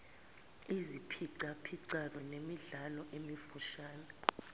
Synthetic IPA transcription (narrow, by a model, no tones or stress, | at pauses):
izipʰiǀapʰiǀanwɛnemiɮalɔʔemifuʃaːnɛ